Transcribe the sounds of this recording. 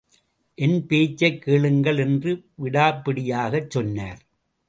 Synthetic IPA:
ʔɛnpeːt͡ʃːɐɪkːeːɭɯŋɡɐɭɛndrɯʋɪɽaːpːɪɽɪjaːɣɐt͡ʃːɔnːaːɾ

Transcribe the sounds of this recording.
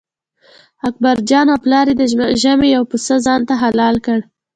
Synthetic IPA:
ak̚baɾd͡ʒɑnaplɑɾed̪əʒəmejawpusəzɑnt̪aɦalɑlkəɽ

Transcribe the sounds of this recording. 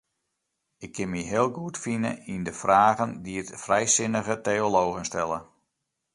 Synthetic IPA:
ɪkʰːɪnmiɦɪːəlˠɡuətfinə̰indəfraːɣəndiətfrɛjsɪnəɣətejoloːɣənstɛlə

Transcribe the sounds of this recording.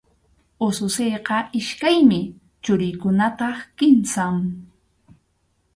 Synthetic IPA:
osʊsejqɑɪʃkajmɪ | t͡ʃʊɾɪjkʊnat̪ɑχkɪmsaŋ

